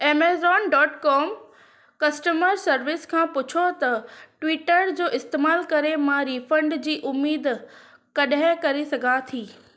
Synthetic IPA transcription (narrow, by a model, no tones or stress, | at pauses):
eːmeːzɔːnɖɔːʈkɔːm | kɐsʈəməɾsɐɾʋɪskʰãːpʊt͡ɕʰot̪ɐʈwiːʈəɾd͡ʑoːʔɪst̪eːmaːlkɐɾemãːɾifɐ̃ɳɖd͡ʑiːʔʊmːiːd̪ | kɐɗɦɪ̃kɐɾesɐɡʱat̪ʰiː